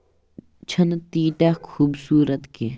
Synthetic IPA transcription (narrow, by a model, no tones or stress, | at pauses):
t͡ʃʰɐnt̪iːt̪aːkʰuːbsuːɾɐt̪ke